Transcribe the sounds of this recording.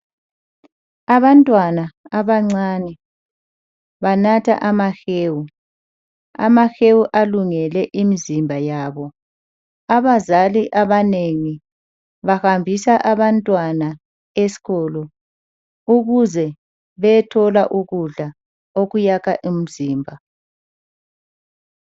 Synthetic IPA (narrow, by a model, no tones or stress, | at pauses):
aβantʼwanaaβaŋ͡ǀaːnɛ | βanatʰa̰ʔamaxeːwu | a̰maxewuʔaluŋɛlɛʔimizimbʱajaːβɔ | aβazaliʔaβaneŋi | βahambʱisaʔaβantʼwana | esi̥ɣɔːlɔ | uɣuzɛ | βɛtʰɔlaʔuɣuɮa | oɣujakʰaʔim̩ziːmbʱa